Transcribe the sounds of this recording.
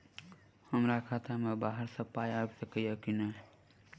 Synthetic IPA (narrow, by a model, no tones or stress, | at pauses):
həmɾakʰaːt̪amẽbaːɦəɾsəpaːjabsəkəjakine